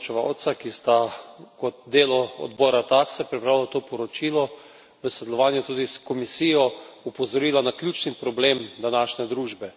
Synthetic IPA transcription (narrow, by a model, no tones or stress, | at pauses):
t͡ʃɛʋa̰wt̪sakist̪akɔt̪̚d̪eːlɔɔ̰d̪bɔːɾat̪aksɛpɾipɾaːwlat̪oːpɔɾɔt͡ʃilɔ | ʋəsod̪ɛlɔʋaːnjut̪uːd̪iskɔmisiːjɔupɔzɔɾiːlanaklʲjuːt͡ʃnipɾɔbleːmd̪anaːʃnɛd̪ɾuːʒbɛ